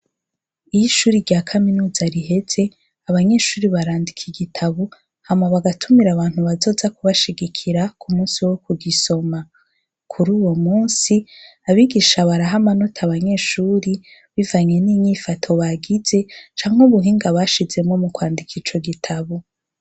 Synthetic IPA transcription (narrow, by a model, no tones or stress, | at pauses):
ijiʃuːɾiɾɟaːkʰaminuːzaɾiɦe̞ze̞ | aβaɲe̞ːʃuːɾiβaɾaːndikʰiɡitʰaβu | hamaβaɡatʰumiɾaβaːn̥huβazo̞ːzakuβaʃiɡikʰiɾakʰumuːnsiwo̞kuɡiso̞ma | kʰuɾuːwo̞muːnsiaβiɡiʃaβaɾaɦamanotʰaβaɲe̞ːʃuːɾiβivaɲe̞niːɲiːfatʰo̞βaɡize̞t͡ʃaːŋheuβuɦiːŋɡaβaʃize̞mŋo̞mukwaːndikʰit͡ʃo̞ɡitʰaβu